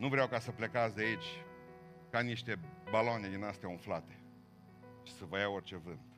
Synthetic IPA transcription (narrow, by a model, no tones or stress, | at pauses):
nuvɾeawkasəple̞kat̪sʲd̪eit͡ʃʲ | kaniʃt̪e̞balaned̪inast̪ʲjaunflat̪e̞̥ | ʃi̥səvəjaort͡ʃe̞vɨnd̪